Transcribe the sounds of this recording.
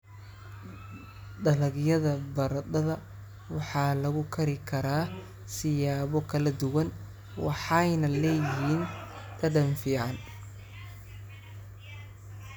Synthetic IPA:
ɖɐlɐɡjɐðɐbɐɾɐdɐðɐ | wɑħɑːlɐɣʊkʰɐɾɪkʰɐɾaː | sɪjaːβɔkʰɐlɐd̪ʊwɐn | wɑħɑjnɐlɛːjɪɦiːn | t̪ʰɐɖɐnfiːʕɑn

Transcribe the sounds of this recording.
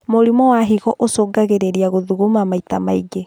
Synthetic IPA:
moɾimɔwaɦiɣɔʔosoːɡaɣeɾeɾiaɣoðuɣomamaitamaiɡe

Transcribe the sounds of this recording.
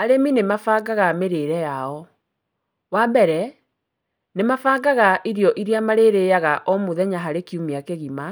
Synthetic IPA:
aɾeminemafaɡaɣameɾeɾɛjaɔ | wabɛɾɛ | nemafaːɡaɣaʔiɾjɔʔiɾiamaɾeɾejaɣaʔɔmoðɛɲaɦaɾekiumiakeɣima

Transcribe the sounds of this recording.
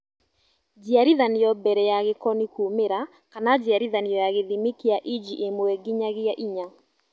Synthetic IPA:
d͡ʒiaɾiðaniɔbɛɾɛjaɣekɔnikumeɾa | kanad͡ʒiaɾiðanijɔjaɣeðimikiaʔid͡ʒiʔemoɛɡiɲaɣeaʔiɲa

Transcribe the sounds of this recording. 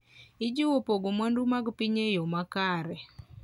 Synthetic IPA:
ɪd͡ʒiwopoɡomwandumaɡpiɲejɔmakaɾɛ

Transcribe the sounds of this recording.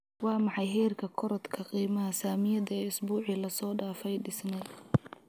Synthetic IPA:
wɑːmɑħɑjɦɛːrkʰɐkʰɔɾɔd̪kʰɐqiːmɐɦɐsaːmɪjɐd̪ɐɛːɪsbuːʕilɐsɔːɖaːfɛjɖɪsnɛ

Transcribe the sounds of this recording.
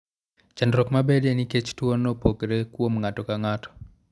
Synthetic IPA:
t͡ʃandɾɔkmabedeniket͡ʃtwonːopokɾekwomŋatɔkaŋatɔ̥

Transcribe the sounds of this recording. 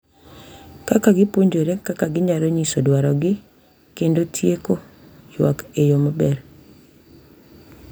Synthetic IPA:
kakaɡɪpoɲd͡ʒoɾekakaɡɪɲaɾoɲisodwaɾɔɡɪ | kendotʰjeko | jwa̰kejomabɛɾ

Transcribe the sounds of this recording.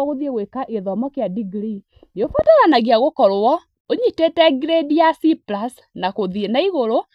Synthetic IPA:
ɣoðieɣwekaʔeðɔmɔkeadiɡɾi | neofataɣanaɣeaɣokɔɾwɔ | oɲitetɛɡɾediasiplas | nakoðienaiɣoɾo

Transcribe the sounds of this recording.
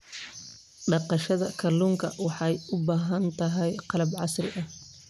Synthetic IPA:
ɖɑqɑʃɐðɐkʰɐluːŋkʰɐwɑħɑjʊbaːɦɐnt̪ʰɐɦɛjqɑlɐbʕɑsrɪ̰ʔɐh

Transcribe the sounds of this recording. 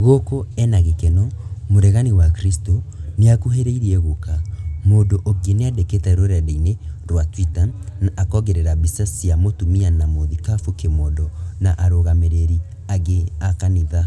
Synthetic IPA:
ɣokoɛnaɣekɛnɔmoɾɛɣaniwakɾistoneakuɦeɾeiɾiɛɣokamoːdoʔɔɡeneadeketɛɾoɾɛdeineɾwatwitanaʔːkɔɣɛɾeɾabisasiamotumianamoðikafokemɔdɔnaʔaɾoɣameɾeɾi | aɣeakaniða

